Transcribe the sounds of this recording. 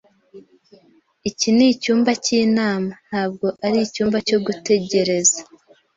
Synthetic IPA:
icinicuːmbaciːnaːman̥haːb̚ɡo̞ʔaɾicuːmbaco̞ɡute̞ɟe̞ɾe̞za

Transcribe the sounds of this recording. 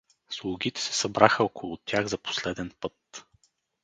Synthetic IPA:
slˠʊɡʲit̪ɛ̥sɛ̥sɐbɾaxəokʊlˠʊt̪ʲʰjaɣzɐpo̥slɛd̪ɛnpɤt̪

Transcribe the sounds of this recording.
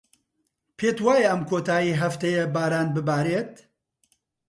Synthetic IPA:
pʰeːt̪waːjɛʔɐmkʰoːt̪aːjiːɦɐft̪ɐjɛbaːɾaːnbɨbaːɾeːt̪

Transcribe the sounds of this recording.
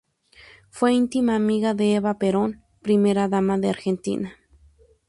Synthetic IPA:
fweint̪imaːmiɣaðeeβapeɾon | pɾimeɾaðamaðeaɾxent̪ḭna

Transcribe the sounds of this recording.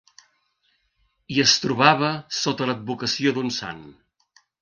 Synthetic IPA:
iəst̪ɾuβaβ̞əsot̪ələd̪̚bukəsiod̪unsa̰n

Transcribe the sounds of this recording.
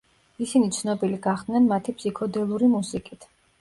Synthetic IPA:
isinit̪sʰnɔbiliɡaχd̪̥nɛnmat̪ʰipʰsikʰɔd̪ɛlˠuɾimusikʼit̪ʰ

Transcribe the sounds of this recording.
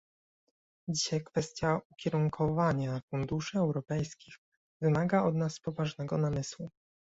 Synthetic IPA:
d͡ʑiɕajkfɛst̪ʲjaukʲɛɾuŋkʰɔvaɲafund̪uʂɘɛwɾɔpɛjskʲix | vɘmaɡaɔd̪naspɔvaʐnɛɡɔnamɘswu

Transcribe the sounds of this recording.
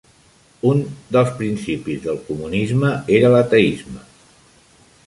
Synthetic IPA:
und̪əlˠspɾinsipizðəlˠkumunizməeɾələt̪əizmə

